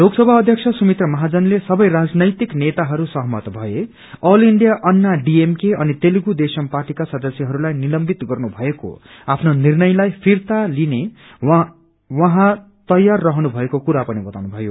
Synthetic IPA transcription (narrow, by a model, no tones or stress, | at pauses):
loɡsʌbʱaʌd̪ʱjʌk̚t͡sʰʌsumit̪ʌmʌɦad͡zʌnlesʌbʌjrad͡znʌjt̪iknet̪aɦʌɾusʌɦmʌ̰t̪bʱʌe | ʌliɳɖijaʔʌnːaɖiemkeʌnit̪eluɡud̪esʌmparʈikasʌd̪ʌsjʌɦʌɾulajnilʌmbit̪ɡʌrnubʱʌeko̰apʰnonirnʌjlajpʰirt̪aline | wʌɦã | t̪ʌjːarːʌɦnubʱʌekokuɾapʌnibʌt̪awnubʱʌjo